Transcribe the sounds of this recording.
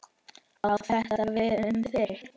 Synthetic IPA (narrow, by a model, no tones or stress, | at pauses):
aawθɛht̪aavɪðʏmθɪɾ